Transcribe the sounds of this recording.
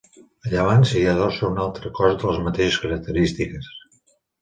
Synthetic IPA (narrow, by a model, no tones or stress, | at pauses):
əʎəβ̞ansəiəðɔsəunalˠt̪ɾəkɔzðələzmət̪eʃəskəɾək̚t̪əɾist̪ikəs